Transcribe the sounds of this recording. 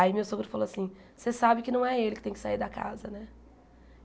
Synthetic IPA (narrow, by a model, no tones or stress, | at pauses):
imewsõɡɾʊfaloasĩ | sesabɪkɪnɐ̃w̃ɛelɪkɪt̪ẽj̃kɪ̥saiɾd̪ɐka̰zɐnɛ